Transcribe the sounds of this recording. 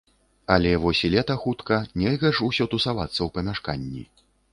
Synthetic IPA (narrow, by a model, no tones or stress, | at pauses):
ɐlʲɛvɔsʲilʲɛt̪ɐxut̪kɐnʲɛlʲɣɐʂusʲɔt̪usavat̪sːɐwpɐmʲaʂkanʲːḭ